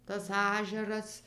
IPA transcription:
tɐs ˈɑːʒʲɛrɐs

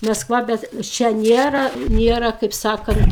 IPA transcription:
mɐsˈkʋɐ ˈbʲɛt ˈt͡ʃʲɛ ˈnʲeːrɐ ˈnʲeːrɐ kɐɪp ˈsɑːkɐnt

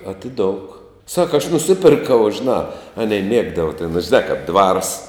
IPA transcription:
ɐtʲɪˈdoːʊk ˈsɑːkɐ ɐʃ nʊˈsʲɪpʲɛrkɐʊ ʒʲeːˈnɑː ˈɑːnʲɛɪ ˈmʲiɛɡdɐʋɐ tʲɛn ʒʲɪˈnɑː kɐp dʋɐrs

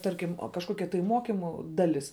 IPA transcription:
ˈtɐrʲkʲɪm kɐʃˈkoːkʲɛ tɐɪ ˈmoːkʲɪmʊ ˈdɑːlʲɪs

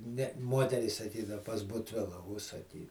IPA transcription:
nʲɛ ˈmuɔtʲɛrʲiːs sɐˈkʲiːdɐw pɐs bʊtʲˈʋʲɪlˠɐ ʊʃsɐˈkʲiː

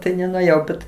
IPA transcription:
ˈtɐɪ nʲɛnʊeːˈjɛʊ bʲɛt

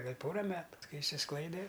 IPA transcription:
ɡɐlʲ ˈpoːrɐ ˈmʲæːtʊ ˈkɐɪ ɪʃʲsʲɪsˈklˠɐɪdʲɛ

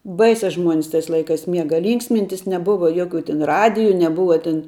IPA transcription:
ˈbɐɪsʲɛ ˈʒmuɔnʲɪs tɐɪs ˈlˠɐɪkɐs ˈmʲiɛɡɐ ˈlʲiːŋksʲmʲɪnʲtʲɪs nʲɛˈbʊʋɐ ˈjoːkʲʊ tʲɪn ˈrɑːdʲɪjʊ nʲɛˈbʊʋɐ tʲɪn

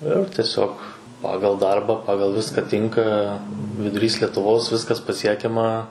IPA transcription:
ɪr tʲiɛˈsʲoːk ˈpɑːɡɐlˠ ˈdɐrbɑː ˈpɑːɡɐlˠ ˈʋʲɪskɐ ˈtʲɪŋkɐ ʋʲɪdʊˈrʲiːs lʲiɛtʊˈʋoːs ˈʋʲɪskɐs pɐˈsʲiɛkʲɛmɐ

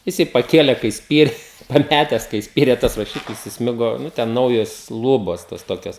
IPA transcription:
jɪˈsɐɪ pɐˈkʲeːlʲɛ kɐɪ ˈsʲpʲiːrʲɛ ɐn ˈpʲætʲɛs kɐɪ ˈsʲpʲiːrʲeː tɐs rɐˈʃʲɪklʲɪs ɪsʲˈmʲɪɡoː ˈnʊ tʲɛn ˈnɐʊjoːs ˈlˠuːboːs toːs ˈtoːkʲoːs

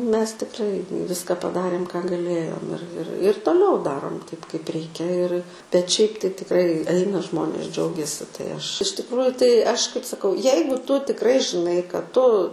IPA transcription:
ˈmʲɛs tʲɪkˈrɐɪ ˈʋʲɪskɐ pɐˈdɑːrʲeːm kɑː ɡɐˈlʲeːjoːm ɪr ɪr ɪr toːˈlʲɛʊ ˈdɑːroːm tɐɪp kɐɪp ˈrʲɛɪkʲɛ ɪr bʲɛt ˈʃʲɛɪp tɐɪ tʲɪkˈrɐɪ ˈɐɪnɐ ˈʒmoːnʲeːs ˈd͡ʒʲɛʊɡʲɛsʲɪ tɐɪ ˈɐʃ ɪʃ tʲɪkˈruːjʊ tɐɪ ˈɐʃ kɐɪp sɐˈkɐʊ ˈjɛɪɡʊ ˈtʊ tʲɪkˈrɐɪ ʒʲɪˈnɐɪ kɐt ˈtʊ

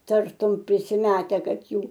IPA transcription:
ˈtɐrtʊm pʲrʲɪsʲɪˈmʲæːtʲɛ ˈkɐt ˈjuː

